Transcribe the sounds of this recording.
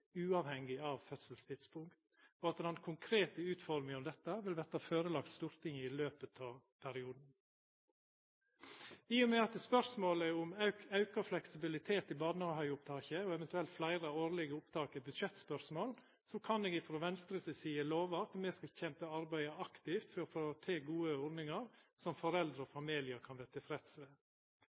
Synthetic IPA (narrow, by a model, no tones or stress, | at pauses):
ʉːɑːʋhɛŋːɪɑʋfœt̪səlst̪ʰɪd̪spʰʊŋkt̪ | ɔɑt̪d̪ɑnkʰʊŋkʰɾeːt̪əʉːt̪fɔɾmɪŋɔmd̪ɛt̪ːəʋɪlʋɛt̪əɑføːɾəlɑk̚t̪st̪uːɾt̪ɪŋɪløːpət̪ʰɑːʋ | pʰæɾɪuːd̪n̩ | ɪjʊmɛɑt̪spœɾsmoːləʊmɑʉkɑflɛksɪbɪlɪt̪ʰeːt̪ɪbɑːnəɑhœʏʊpt̪ʰɑːçəɔɛʋɛnt̪ʉɛlt̪flæɪɾəoːɾlɪɡəʊpt̪ʰɑːkəbʉd̪ʃɛt̪spœɾsmoːl | sɔkʰɑneːɡɪfɾɔʋɛnst̪ɾəsəsiːəloːʋəɑt̪mɛskɑçɛmpəɑɾbæɪəɑkt̪ɪft̪fɔfɔɾt̪ʰeːɡuːəɔɾnɪŋɑɾsɔmfɔɾɛld̪ɾəɔfɑmiːlɪəɾkʰɑnʋɛːɾt̪ʰɪfɾɛt̪sʋeː